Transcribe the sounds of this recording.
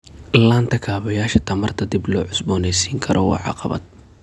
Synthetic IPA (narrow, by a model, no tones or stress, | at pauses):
laːnt̪ʰɐkʰaːβɐjaːʃɐt̪ʰɐmɐrt̪ʰɐd̪ɪblɔːʕʊsbɔːnɛjsiːŋkʰɐɾʔɔwɑ̰ːʕɑ̰qɑβɐ̰d̪̚